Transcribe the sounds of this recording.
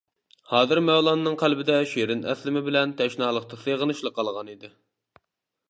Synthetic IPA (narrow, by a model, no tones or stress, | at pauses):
hɑːzɨɾmɛwlˠɑnɨnɨŋqʰælbɪd̪ɛʃiɾɪnɛ̰slɪmɪbɪlɛnt̪ʰɛʃnɑːlˠəq̚t̪ʰɑseʁənɨʃlˠəqːɑlˠʁɑnid̪ɪ